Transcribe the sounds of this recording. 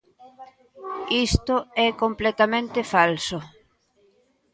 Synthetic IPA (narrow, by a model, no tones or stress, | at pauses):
ist̪ʊɛkomplɛt̪amẽnt̪ɪfalso